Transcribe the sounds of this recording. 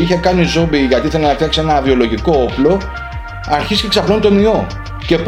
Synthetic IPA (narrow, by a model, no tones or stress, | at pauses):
içe̞kɐnizo̞mbiʝɐt̪iθenɐnɐk̚t̪iɐkse̞nɐvio̞lo̞ʝiko̞oplo̞ | ɐɾçisce̞ksɐplonit̪o̞nio̞ | ce̞p